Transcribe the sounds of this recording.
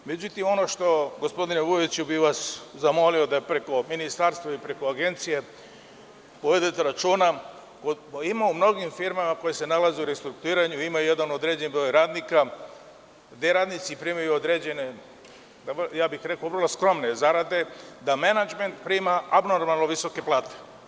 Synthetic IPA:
me̞d͡ʑut̪imo̞no̞ʃt̪o̞ɡospo̞d̪ineʋuit͡ɕubiʋaszamo̞lio̞d̪ajepɾe̞ko̞minist̪aɾst̪vʋaipɾe̞ko̞aɡe̞nt̪sije̞ | poʋed̪et̪eɾat͡ʃuːna | ko | imaumno̞ɡimfiɾmamako̞jese̞nalazeuɾest̪ɾuk̚t̪uiːɾaɲuimajujed̪anod̪ɾed͡ʑenbɾo̞ːjɾaːd̪nika | d̪eɾaːd̪nit̪sipɾiːmajuod̪ɾed͡ʑe̞ne | d̪ajaːbixɾe̞koʋrlˠoskɾo̞mnezaɾad̪e̞d̪amenad͡ʒme̞nt̪pɾiːmaabno̞ɾmalnoʋiso̞ke̞plˠaːt̪e̥

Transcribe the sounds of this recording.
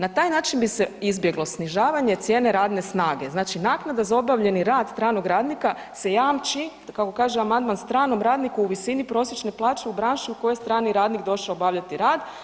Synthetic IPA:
nat̪aːjnaːt͡ʃinbise̞izbje̞ɡlˠo̞sniʒaːʋaɲe̞t̪sje̞ːne̞ɾaːd̪ne̞snaːɡe̞znaːt͡ʃinaːknad̪azao̞baʋʎe̞niɾaːd̪st̪ɾaːnoɡɾaːd̪nika | se̞jaːmt͡ʃi | kako̞kaːʒeamand̪manst̪ɾaːno̞mɾaːd̪nikuuʋisinipɾo̞s̬je̞t͡ʃne̞plˠaːt͡ʃe̞ubɾaːnʃiuko̞jest̪ɾaːniɾaːd̪nikd̪o̞ʃaobaʋʎat̪iɾaːd̪

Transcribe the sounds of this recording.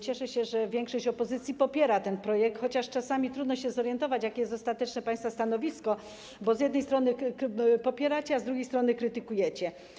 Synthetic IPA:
t͡ɕɛʂɛɕɛʐɛvʲjɛŋkʂɔɕt͡ɕɔpɔzɘt̪sʲjipɔpʲjɛɾat̪ɛnpɾɔjɛk̚t̪xɔt͡ɕaʂt͡ʂasamʲit̪ɾud̪nɔɕɛzɔɾjɛnt̪ɔvat͡ɕjakʲɛjɛst̪ɔst̪at̪ɛt͡ʂnɛpãj̃st̪fast̪anɔvʲiskɔ | bɔzʲjɛd̪nɛjst̪ɾɔnɘkpɔpʲjɛɾat͡ɕɛazd̪ɾuɡʲjejst̪ɾɔnɘkɾɘt̪ɘkujɛt͡ɕɛ

